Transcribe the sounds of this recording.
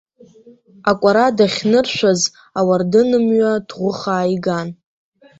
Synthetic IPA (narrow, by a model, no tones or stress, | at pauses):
akʷʼaɾadaχʲnɨrʃʷᶣaz | awardɨnɨmɥadʁʷʊχaːjɡan